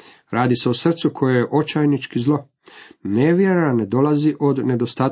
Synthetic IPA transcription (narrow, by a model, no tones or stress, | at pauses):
ɾʔaːd̪ise̞osr̩t̪sukʰo̞jejeʔo̞t͡ʃajnit͡ʃkizlˠo̞ | neʋjeɾaned̪o̞lˠaziʔo̞d̪ne̞d̪o̞st̪aːt̪